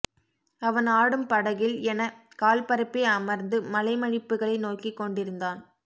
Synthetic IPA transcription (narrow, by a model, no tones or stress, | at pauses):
ɐʋɐnaːɽɯmpɐɽɐɣɪlɛnɐ | kaːlpɐɾɐpːeːɐmɐɾnd̪ɯmɐlɐɪmɐɻɪpːɯɣɐɭɐɪnoːkikːɔɳɖɪɾɯnd̪aːn